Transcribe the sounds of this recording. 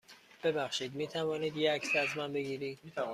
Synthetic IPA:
b̥e̞bæxʃiːd̪miːt̪ʰævɒːniːd̪jeækʰseæzmænbe̞ɡiːɾiːd̪̥

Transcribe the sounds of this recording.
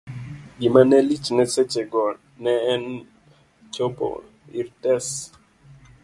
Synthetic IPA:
ɡimanɛlit͡ʃnɛsɛt͡ʃɛɡɔ | nɛːn | t͡ʃopo̰ | ḭɾtɛs

